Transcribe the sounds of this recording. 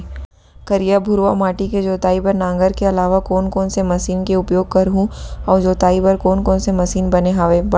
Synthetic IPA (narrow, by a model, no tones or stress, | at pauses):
kɐɾijabʱʊɾʋamaːʈiked͡ʒoːt̪aːibəɾnãːŋɡəɾkeɐlaːʋakoːnkoːnsemɐsiːnkeʊpjoːɡ̚kɐɾɦũɔːɾd͡ʒoːt̪aːibɐɾkoːnkoːnsemɐsiːnbɐneɦɐʋeb